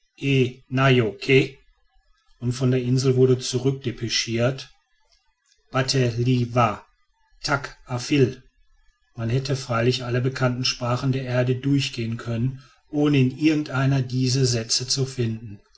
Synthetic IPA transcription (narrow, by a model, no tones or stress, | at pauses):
ʔeːnajokʰe | ʔʊntfɔndeːɐʔɪnzl̩vʊɐdət͡suʁʏk̚d̥epʰɛʃiːɐt | b̥atʰɛliva | tʰakʔafɪl | manhɛtʰəfʁ̥aɪlɪçʔaləbəkʰantn̩ʃpʁ̥aːχn̩deːɐʔeːɐdədʊɐçɡ̥eːənkʰœnən | ʔoːnəɪnʔɪɐɡŋ̩tʔaɪnɐdiːzəzɛt͡sət͡sufɪndn̩